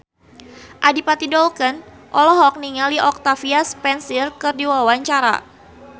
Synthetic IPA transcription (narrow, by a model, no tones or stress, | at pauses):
ʔadipat̪idɔlkən | ʔɔlɔɦɔk̚niŋaliʔɔk̚t̪afiaspɛnsirkɨrdiwawaɲt͡ʃaɾa̰